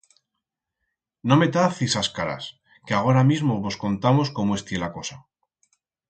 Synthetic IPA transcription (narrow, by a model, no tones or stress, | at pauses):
no̞me̞t̪aθisaskaɾa̰s | keaɣ̞o̞ɾamizmoβo̞sko̞nt̪amo̞sko̞moe̞st̪je̞lako̞sa